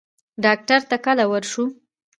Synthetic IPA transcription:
ɖɑk̚ʈaɾt̪akalawəɾʃu

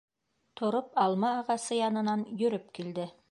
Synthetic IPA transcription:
t̪ʰŏɾopɑlˠmɑːʁɑsɤjɑnɤ̆nɑnjɵ̆ɾɵp̚kild̪ɘ

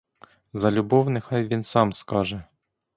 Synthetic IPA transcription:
zɐlʲʊbɔwnɪxɑjʋʲinsɑmskɑʒɛ

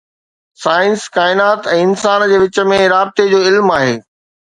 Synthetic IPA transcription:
saːɪ̃nskaːɪnaːt̪ɛ̃ːɪnsaːnd͡ʑeːʋɪt͡ɕə̆mẽɾaːb̚t̪ed͡ʑoːɪlmaːɦeː

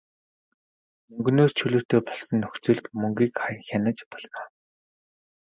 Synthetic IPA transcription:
ɵŋɡnoːst͡ɕʰɵɮɵ̆ːt̪eːpɔɮsɞ̆nːɵxt͡sɵ̆ɮt̪mɵŋɡʲiːkχaj̆ŋxʲanə̆t͡ɕpɔɮnaː

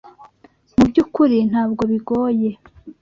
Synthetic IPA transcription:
mubɟuːkuɾin̥haːb̚ɡo̞βiɡo̞ːje̞

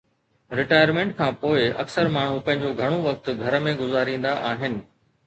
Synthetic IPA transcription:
ɾɪʈaːjəɾmẽːɳʈ̚kʰãːpoːɪɐ̰ksəɾmaːɳ̤ũpɐ̃ɦɪ̃ɲd͡ʑoɡʱɐɽ̃oʋɐk̚t̪ɡʱɐɾəmẽɡʊzaːɾĩːn̆d̪aʔaːɦɪnɪ̆

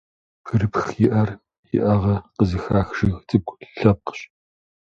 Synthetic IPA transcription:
pʰɨɾɨpxjɪʔɐr | jɪ̰ʔɐʁɐqəzɨxraːxʒ̥ɨɣtʰʼɨp̚kʷʼɬɐp̚qə̥ɕ

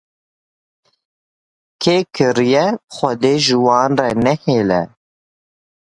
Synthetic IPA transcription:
kʰeːkʰɨɾijɛxʷɛd̪eːʒɨwɑːnrɛnɛheːlɛ̰

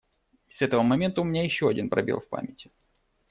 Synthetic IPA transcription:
sɛt̪əvəmɐmʲent̪əʊmʲɪnʲajɪɕːoɐdʲinpɾɐ̰bʲḛlˠfʲpa̰mʲɪtʲɪ

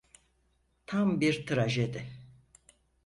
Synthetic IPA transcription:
t̪ʰambiɾt̪ʰɯɾaʒed̪ɪ

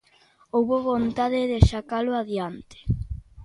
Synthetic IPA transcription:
owβoβont̪aðɪðeʃakalʊaðjant̪ɪ̥

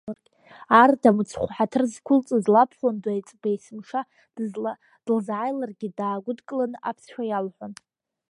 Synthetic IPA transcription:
ardamut͡sʰχʷħatʰɨrzkʷʰʊlt͡sʼɨzlapʰχʷandajt͡sʼbajsɨmʂḁ | d̥lzʕajlarɡʲidaːɡʷʊdkʼlanɨʔapʰsʃᶣajalħʷan

